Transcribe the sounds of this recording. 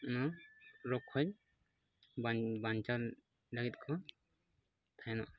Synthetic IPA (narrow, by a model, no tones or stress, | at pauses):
naɾɔkʰːɔj | bbaɲt͡ʃaɾ | ɖaɡit̪̚kʰɔ | t̪ʰajnaʔ